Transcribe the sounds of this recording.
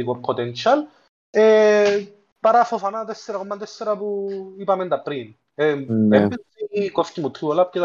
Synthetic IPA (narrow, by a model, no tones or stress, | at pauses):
ikopʰot̪ent͡ʃɐl | e | pɐɾafofɐnat̪esːeɾaɐkomːɐnt̪esːeɾɐpuipɐmend̪ɐpɾin | eebiiikofcimut̪ʰɾiolɐp̚cet̪